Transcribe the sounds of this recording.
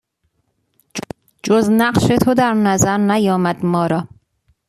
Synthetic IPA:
d͡ʒoznæɢʃe̞t̪ʰod̪æɾnæzæɾnæjɒːmæd̪̥mɒːɾɒː

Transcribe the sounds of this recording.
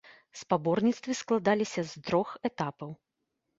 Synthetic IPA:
spabɔrnʲit̪st̪vʲɨsklˠad̪alʲisʲɐzd̪ɾɔxɛt̪apɐw

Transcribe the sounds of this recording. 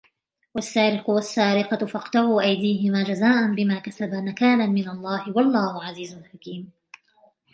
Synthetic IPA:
wasːaːɾɪqʊwasːaːɾɪqɑfɑqt̪ɑʕuːʔajd̪iːɦɪmaːd͡ʒazaːʔanbɪmaːkasabamakaːnamɪnalˤːɑːhɪwɑlˤːaːhʊʕaziːzʊlħakiːm

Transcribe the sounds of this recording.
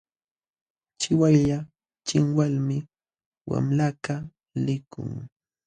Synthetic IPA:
t͡ʃɪwajʎa | t͡ʃɪŋwalmɪ | wa̰mlaka | lɪkʊ̰ŋ

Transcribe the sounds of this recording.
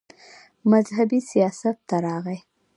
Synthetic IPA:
mazhabisijɑsat̪ːaɾɑɣaj

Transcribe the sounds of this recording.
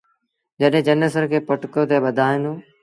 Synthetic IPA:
d͡ʒəɗɦɪ̃ːd͡ʒənəs̬əɾkʰeːpəʈkot̪eːɓəd̪ʱaːɪ̃noː

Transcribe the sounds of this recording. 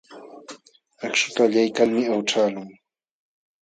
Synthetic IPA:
akʃʊt̪aːʎajkaŋmɪawʈ͡ʂaːlʊŋ

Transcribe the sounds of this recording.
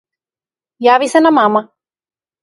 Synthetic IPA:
jaʋisɛnamama

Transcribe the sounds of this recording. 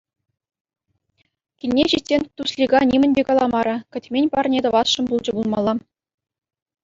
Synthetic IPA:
kʲilʲnʲeɕitʲsʲenʲt̪usʲlʲiɡɑnʲimʲɘ̆nʲdʲekɑlˠɑmɑɾɤ̆kʲɘ̆tʲmʲenʲpɑrnʲed̪ɤ̆ʋɑsʂɤ̆nbulˠd͡ʑɤ̆bulˠmɑlˠːɑ

